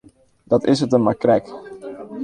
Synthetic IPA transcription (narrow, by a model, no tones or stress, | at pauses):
dɑtɪsətənmakrɛk